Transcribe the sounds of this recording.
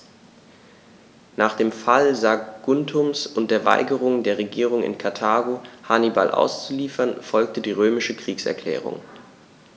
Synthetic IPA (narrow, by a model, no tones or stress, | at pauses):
naːχd̥eːmfalzaɡ̥ʊntʰʊmsʊntd̥eːɐva̰ɪɡəʁ̞ʊŋdeːɐʁeɡiːʁ̞ʊŋɪ̰nkʰaɐtʰaːɡohaniba̰lʔa̰ʊst͡suliːfɐnfɔlk̚tədiːʁøːmɪʃəkʁ̥iːksɛ̰ɐkʰl̥ɛ̰ːʁ̞ʊ̰ŋ